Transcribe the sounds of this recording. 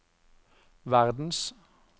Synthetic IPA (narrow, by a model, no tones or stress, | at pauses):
ʋæʁd̪n̩s